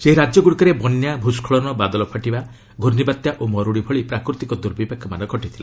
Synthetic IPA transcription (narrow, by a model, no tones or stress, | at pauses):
seɦiɾad͡ʒjɔɡuɽikɔɾebɔnjabʱuskʰɔɭɔnɔbad̪ɔlɔpʰaʈiba | ɡʱoɾnibat̪jaʔomɔɾuɽibʱɔɭipɾakɾut̪ikɔd̪uɾbipakʰːɔmanɔɡʱɔʈit̪ʰila